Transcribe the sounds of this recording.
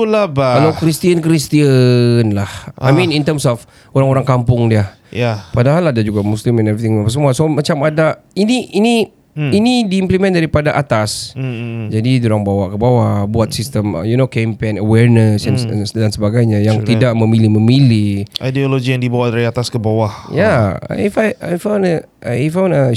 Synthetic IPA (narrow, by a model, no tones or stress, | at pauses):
labakalakɾist̪iənkɾist̪iənlahʔa̰jmĩnint̪əmsɔf | oɾaŋoɾaŋkampʊŋdiə | japadaɦalːadad͡ʒuɡaʔmuslimɛ̃nɛvɾit̪ɪ̃ŋapaʔs̬əmuasomat͡ʃamadainiini | inidiimplimɛ̃ndaɾipadaʔat̪as | d͡ʒadidoɾaŋbawaʔkəbawahbuat̪̚sist̪əm̰junokɛmpenəwɛnəsandansəbaɡajɲajaŋtt̪idaʔmə̃milihmə̃milihajdioloɡijaŋdibawahdaɾiat̪askəbawahja̰ifajajfawnəʔifawnə